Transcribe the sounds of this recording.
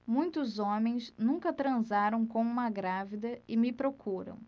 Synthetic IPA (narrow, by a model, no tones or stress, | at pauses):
mũj̃t̪ʊzõmẽj̃snũŋkɐt̪ɾɐ̃zaɾɐ̃w̃kõw̃ũmɐɡɾavid̪ɐɪmɪpɾokʰuɾɐ̰̃w̃